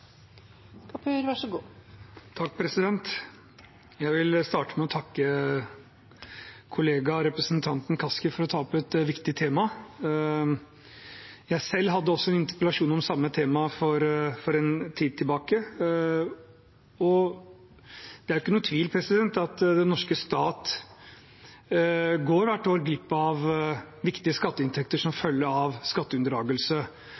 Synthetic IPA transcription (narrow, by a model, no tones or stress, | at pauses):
kʰɑpʰʉɾʋɑʂəɡuːt̪ʰɑk̚ːpʰɾɛsɪd̪ɛnt̪ | jæɪʋɪlst̪ɑːʈəmɛɔt̪ʰɑkːə | kʰʊleːɡɑɾɛpɾəsnt̪ʰɑnt̪n̩kʰɑskɪfɔɾɔt̪ʰɑːɔpɛt̪ʋɪkt̪ɪt̪ʰeːmɑ | jæɪsɛlːɦɑd̪ːəɔsːɔɛnɪnt̪əɾpəlɑʂuːnɔmsɑmːət̪ʰeːmɑfɔɾfɔɾɛnt̪ʰiːd̪̚t̪ʰɪlbɑːkə | ɔ | d̪̥ɛæɾjɪkːənuːt̪ʰʋiːlpʰɾɛsɪd̪ɛnt̪ɑt̪d̪ɛnːɔʂkəst̪ɑːt̪ | ɡoːɾʋæʈːoːɾɡɾɪpːəɑʋ | ʋɪkt̪ɪəskɑt̪ːəɪnt̪ʰɛkt̪əʂɔmfœlːəɾɑʋskɑt̪ːəʉnd̪əɾɑːɡəlsə